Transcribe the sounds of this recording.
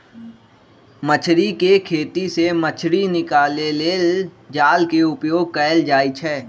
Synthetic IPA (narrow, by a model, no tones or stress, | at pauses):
mət͡ʃʰɾikekʰeːt̪isemət͡ʃʰɾinɪkaːleleld͡ʒaːlkeʊpjoːɡ̚kəːɪld͡ʒaːit͡ʃʰɛː